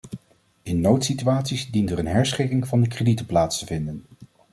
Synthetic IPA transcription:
ɪnːowtsityaːtsizdintərənɦɛɹsχɪkɪŋv̥ɑndəkreditəplaːtstəvɪndən

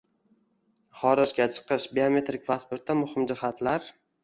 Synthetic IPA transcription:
χɒɾɪd͡ʒɡʲat͡ʃʰɨ̥qɨʃbeome̞t̪ɾik̚ʲpʰaspoɾt̪ːamʊhɪmd͡ʒɪhat̪ʰlaɾ

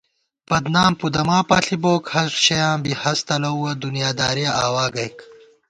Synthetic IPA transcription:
b̥ɐd̪naːmpud̪ɐmaːpaːɬiboːkhɐsɕɐjãːbihɐst̪ɐlɐuwɐd̪unijaːd̪aːɾijaʔaːwaːɡɐjk

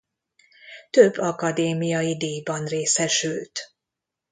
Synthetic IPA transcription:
t̪øbːɒkɒd̪eːmijɒjid̪eːjbɒnreːsɛʃylt̪

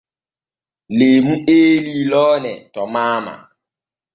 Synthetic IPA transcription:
lem̩elilɔːnɛ̰tɔmama̰

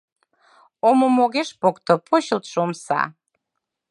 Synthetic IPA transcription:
omomoɣeʃpokt̪ŏpʰoɕəlt̪ʃomsɑ̰

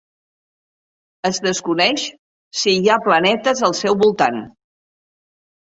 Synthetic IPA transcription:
əzðəskunɛʃ | siaplənɛt̪əzəlˠsɛwβulˠt̪an

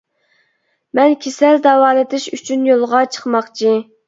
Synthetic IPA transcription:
mɛnkʲʰesɛld̪ɑwɑːlˠɨt̪ɨʃyt͡ʃʰynjolˠʁɑt͡ʃʰə̥χmɑχt͡ʃʰi

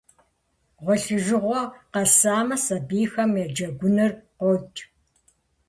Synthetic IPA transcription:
ʁʷɔɬɨʒɨʁʷɔqɐsaːmɐsɐbiːxɐmjɛd͡ʒɐɡʷʊnɐrqʷɔt͡ʃʼ

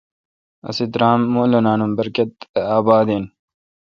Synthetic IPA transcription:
ɐ̰sid̪ɾaːmːulonaːnumbɐɾket̪aːbaːd̪eːn

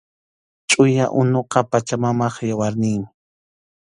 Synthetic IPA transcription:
t͡ʃʼʊjaʔʊnoqɑpat͡ʃamamɑχjawaɾnɪjmɪ

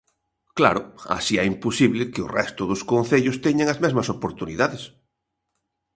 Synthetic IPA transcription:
kla̰ɾʊa̰siɛimposiβlɪkɪʊ̰rɛst̪ʊðʊskõn̟θeʎʊst̪ɛɲaŋɐzmɛzmɐsopoɾt̪uniðaðɪs

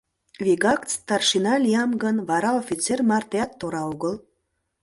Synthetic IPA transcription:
vʲiɡɑkt͡st̪ɑrʃinɑlʲiɑmɡənβɑɾɑofʲit͡sermɑrt̪eɑt̪ːoɾɑuɣəl

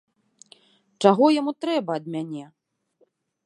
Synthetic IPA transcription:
t͡ʂaɣɔjamut̪ɾɛbɐːd̪mʲanʲɛ

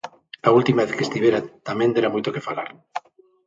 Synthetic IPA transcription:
ault̪imaeθkest̪iβeɾat̪amẽnd̪eɾamojt̪okefalaɾ

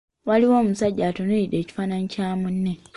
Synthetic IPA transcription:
waliwo̞ːmusaɟːaːtoneide̞ːci̥faːnaɲicaːmunːe

